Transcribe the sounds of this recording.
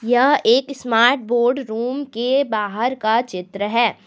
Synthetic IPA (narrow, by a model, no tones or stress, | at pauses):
jɐɦeːksmaːɾʈ̚boːɾɖɾuːmkebaːɦəɾkat͡ʃɪt̪ɾəɦɛː